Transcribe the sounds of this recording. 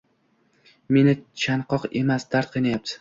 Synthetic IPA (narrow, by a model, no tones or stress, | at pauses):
me̞nɪt͡ʃʰanqʰɒqe̞masd̪aɾt̪̚qʰɨjnajap̚t̪ʰɪ̥